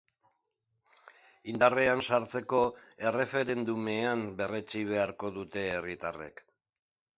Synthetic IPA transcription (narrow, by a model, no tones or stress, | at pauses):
ind̪areansaɾt͡se̞ko̞e̞re̞fe̞ɾe̞nd̪ume̞ambe̞ret͡ʃiβ̞e̞aɾko̞ðut̪e̞ːrit̪are̞̰k